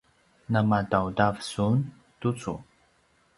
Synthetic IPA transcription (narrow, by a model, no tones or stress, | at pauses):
namadawdavsun | tut͡sṵ